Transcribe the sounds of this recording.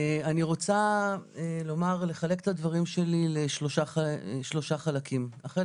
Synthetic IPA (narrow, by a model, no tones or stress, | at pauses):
aniʁo̞t͡saelo̞maʁle̞χale̞ke̥t̪ad̪vaʁimʃe̞lileʃlo̞ʃaaʃlo̞ʃaχalakʰimaχe